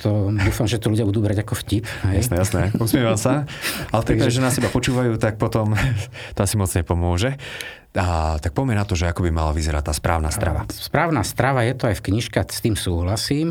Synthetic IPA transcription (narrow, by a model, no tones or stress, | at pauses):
t̪ʰɔd̪uːfamʒɛt̪ɔluɟɪabud̪uːbɾaɟakɔfcipɦɛjajsnɛjasnɛusmiɛʋamsaalɛfpɾit̪kpaɛʒɛnasɛbapɔt͡ʃuːʋajuːt̪ak̚pɔt̪ɔm | t̪ɔasimɔd͡zɲɛpɔmʊɔʒɛ | at̪ak̚pɔmɛnat̪ɔʒɛakɔbimalaʋizɛɾa̰t̪̚ːaːspɾa̰ːʊnaːst̪ɾa̰ʋa̰spɾaːʊnaːst̪ɾaʋajɛt̪ɔajfkɲiʃkast̪iːmsuːɦlasiːm